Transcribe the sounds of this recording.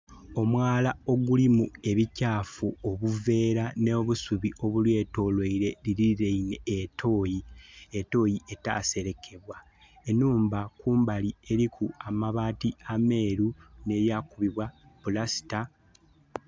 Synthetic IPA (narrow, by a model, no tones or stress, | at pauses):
o̞mwaːlao̞ɡulimue̞βicaːfuoβuve̞ːɾanoːβusuβiʔo̞βulwe̞ːto̞ːlweiɾe̞liɾiiɾeine̞ːtʰo̞ːjieto̞ːjiʔe̞ta̰ːse̞ɾe̞kʰe̞βwa | enuːmbakuːmbalie̞ɾikʰuamaβaːtiame̞ːɾune̞jaːkuβiβwapulasi̥ta